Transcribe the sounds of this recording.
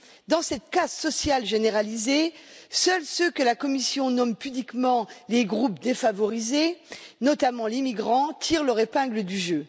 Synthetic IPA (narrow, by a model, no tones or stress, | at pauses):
d̪ɑ̃sɛt̪̚kazsɔsjalʒeneʁalizesœlsøkəlakɔmisjɔ̃nɔmpyblikmɑ̃leɡʁupd̪efavɔʁizenɔt̪amɑ̃limiɡʁɑ̃t̪ʰiʁlœʁepɛ̃ɡləd̪yʒø